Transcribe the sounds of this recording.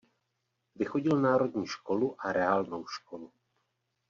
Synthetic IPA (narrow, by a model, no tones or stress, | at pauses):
vɪxoɟɪlnaːɾo̞dɲiːʃko̞luʔaɾɛaːlnowʃkolu